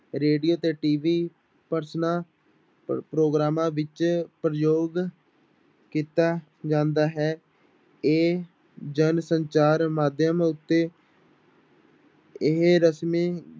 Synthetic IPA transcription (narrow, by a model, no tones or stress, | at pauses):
ɾeːɖijoːt̪eːʈiːʋiː | pəɾsnãː | pɾoːɡɾaːmãːʋɪt͡ʃpɾəjoːɡ | kiːt̪aː | d͡ʒãːnd̪aːɦɛː | eː | d͡ʒənsəɲt͡ʃaːɾmaːd̪ʱjəmʊt̪ːeː | ɪɦɾəsmeː